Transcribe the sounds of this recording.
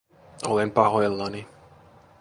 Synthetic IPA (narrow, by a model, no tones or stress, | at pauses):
olempɑɦoelːɑni